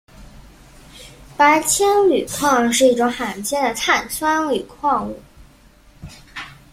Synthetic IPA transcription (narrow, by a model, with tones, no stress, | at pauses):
pa˧˥ɪt͡ɕʰjɛ˥nly˨˩kʰwɑ˥˧ŋʂ̬ɻ̩˥˧i˥˩ʈ͡ʂʊ˧˥ŋxa˨˩nt͡ɕʰjɛ˥nd̪ə˨t̪ʰa˥˩nt͡sʰwa˥ny˨˩kʰwɑ˥˧ŋu˥˩